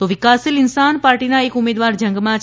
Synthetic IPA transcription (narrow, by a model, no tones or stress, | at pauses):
t̪oʋɪkaːsɪlɪnsaːnpaːɾʈiːnãekʊmeːd̪ʋaːɾd͡ʒɐ̃ŋɡmã